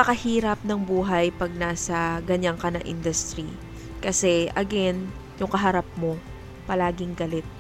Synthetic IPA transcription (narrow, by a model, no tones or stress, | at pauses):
pɐkɐhiːɾɐp̚nɐŋbuːɦɐjpɐɡ̚naːsɐɡɐɲaŋkɐnɐ̰ʔɪ̰nd̪ʊst̪ɾi | kɐsɛʔɐɡɛn | jʊŋkɐɦɐɾap̚mo̞ | pɐlaːɡɪŋɡɐlɛt̪̚